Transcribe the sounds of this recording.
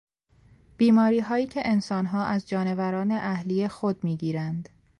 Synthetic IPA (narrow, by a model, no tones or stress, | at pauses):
b̥iːmɒːɾiːɦɒːjiːcʰe̞ʔensɒːnɦɒːʔæzd͡ʒɒːne̞væɾɒːne̞ʔæhlijexod̪̚miːɟiːɾænd̪